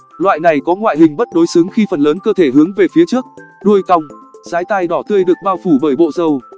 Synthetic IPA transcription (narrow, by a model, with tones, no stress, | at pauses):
lwa̰ː˧˨jna˨˩jkɔ˨˦ŋwa̰ː˧˨jɦï˨˩ŋ̟ɓə˦˥t̚ɗo˨˦jsɨ˨˦ŋxi˧fə˨˩nləː˨˦nkəː˧t̪ʰe˧˩ɦɨ˨˦əŋve˨˩fi˨˦ət͡ɕɨ˦˥ək̚ɗu˧əjka˧wŋ͡mzaː˨˦jt̪aː˧jɗɔ˧˩t̪ʰɨ˧əjɗɨ˨˩ək̚ɓaː˧wfu˧˩ɓəː˧˩jɓo̰˧˨zə˨˩w